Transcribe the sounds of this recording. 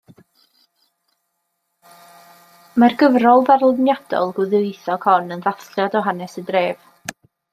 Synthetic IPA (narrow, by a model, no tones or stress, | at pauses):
marɡəvrɔlˠvarlˠʊnjad̥ɔ̰lˠɡʊðɨɨθɔkʰɔnənðaθkljadɔɦanɛsədreːv̥